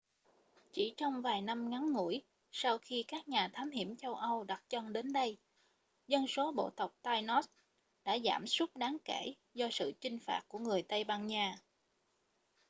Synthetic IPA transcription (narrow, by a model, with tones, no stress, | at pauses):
t͡ɕi˧˩t͡ɕɔ˧wŋ͡mvaː˨˩jna˧mŋa˨˦nŋṵ˧˩əj | sa˧wxi˧kaː˦˥k̚ɲaː˨˩t̪ʰaː˨˦mhi˧˩əmt͡ɕə˧wʔə˧wɗa˨˩t̚t͡ɕɔ˧nɗe˨˦nɗə˧j | zə˧nso˨˦ɓo̰˧˨t̪ə˨˩wk͡p̚t̪aː˧jnɔ˦˥t̚ | ɗa̰ː˧˥za̰ː˧˩msə˦˥t̚ɗaː˨˦ŋke˧˩ | zɔ˧sɨ̰˧˨t͡ɕï˧ŋ̟fa̰ː˨˩t̚ku˧˩əŋɨ˨˩əjt̪ə˧jɓaː˧ŋɲaː˧˩